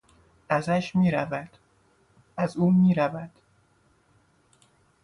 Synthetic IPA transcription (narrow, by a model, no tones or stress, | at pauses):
ʔæzæʃmiːɾævæd̪̥ | ʔæzuːmiːɾævæd̪̥